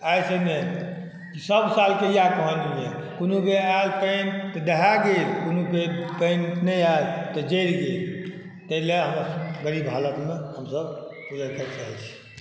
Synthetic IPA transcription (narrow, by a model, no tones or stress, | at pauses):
ajsəne | kisəbsalkejakəɦə̃niekonukealpənt̪ɔd̪əɦaɡelkonukepənnəjalt̪əd͡ʒeɾɡel | t̪əileɦəməɾɡəɾibɦalət̪mehəmsəbpud͡ʒəɾkʰɛt͡ʃaɦɛt͡ʃʰi̥